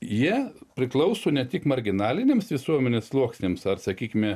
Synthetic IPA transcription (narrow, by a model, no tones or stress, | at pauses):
jiɛpʲɾʲɪklˠɐʊsoːnʲɛt̪ʲɪkmɐɾʲɡʲɪnɑːlʲɪnʲeːmsʋʲɪsuɔmʲɛnʲeːslˠuɔksʲnʲeːmsɐrsɐkʲiːkʲɪmʲɛ